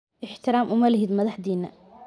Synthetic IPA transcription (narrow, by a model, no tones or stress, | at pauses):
ʔɪħt̪ɪɾaːmʔʊmalɦɪd̪mɐðˤaħd̪iːna̰